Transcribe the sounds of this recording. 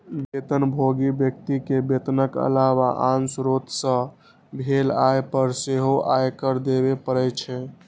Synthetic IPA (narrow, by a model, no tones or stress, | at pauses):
bet̪ənbʱoɡibjək̚t̪ikebet̪nəkə̰lawaʔãnsɾot̪sə̃ | bʱelajpəɾseɦoʔajkəɾd̪eβepəɾəjt͡ʃʰɛ